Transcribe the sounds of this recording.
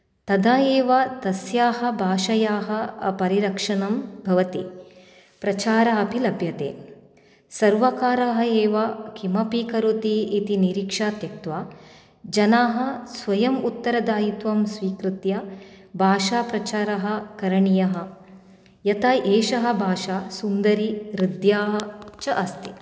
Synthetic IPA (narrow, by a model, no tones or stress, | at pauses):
t̪ɐd̪ʱaːeːʋɐt̪ɐsjaːɦɐ̆bʱaːʃɐjaːɦɐ̆ɐpɐɾiɾɐkʂɐnɐmbʱɐʋɐt̪i | pɾɐt͡ʃaːɾaɐpilɐbʱjɐt̪ḛː | sɐɾʋɐkaːɾaɦɐeːʋɐkʰimɐpikɐɾut̪iːt̪iniɾikʂaːt̪jɐk̚t̪ʋaː | d͡ʒɐnaːɦɐ̆sʋɐjɐmut̪ːɐɾɐd̪aːjit̪ʋɐmsʋiːkɾɨt̪jɐbʱaːʃaːpɾɐt͡ʃaːɾɐɦɐ̆kɐɾɐɳijɐɦɐ̆ | jɐt̪ɐʔeːʃɐɦɐ̆bʱaːʃaːsund̪ɐɾiɾid̪jaːɦɐt͡ʃɐʔɐst̪i̥